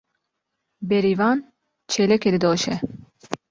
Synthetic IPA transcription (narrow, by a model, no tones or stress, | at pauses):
bɛɾivɑːn | t͡ʃʰɛlɛkɛd̪ɨd̪oːʃɛ